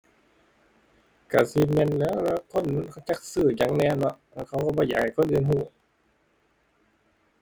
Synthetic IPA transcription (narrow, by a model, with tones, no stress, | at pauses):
ka˧˩si˧˦mɛ˧˨nlɛː˦˥wlɛː˧˥˩kʰo˧˥˨nː˧˥˨kʰa˧˩˨t͡ɕa˧˥k̚sɯː˧˩jaː˨˩ŋnɛː˧˩˨nɔ˧˥ʔ | a˧˩kʰa˧˩wkɔ˧˩bɔː˧˦jaː˨˩kha˨˩jkʰo˧˥˨nʔɯː˧˨nɦuː˧˩